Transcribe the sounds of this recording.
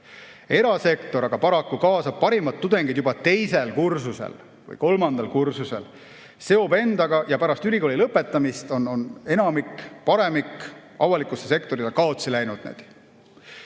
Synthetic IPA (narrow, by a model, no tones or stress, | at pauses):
e̞ɾɑse̞kt̪o̞ɾɑɡ̥ɑpɑɾɑkːukɑːsɑb̥̚pɑɾimɑt̪̚ːud̪e̞ŋɡid̪jubɑt̪e̞jse̞lkursusḛl | vɯ̰jko̞lmɑnd̪̥ɑlkursuse̞̰l | se̞o̞be̞nd̪̥ɑɡɑjɑpæɾɑst̪yliko̞ːlʲilɤpːˑe̞t̪ːˑɑmist̪o̞none̞nɑmikˑpɑɾe̞mikˑɑvɑlikːˑusese̞kt̪o̞ɾilekɑo̞t̪silæjnud̪̥nḛːd̪̥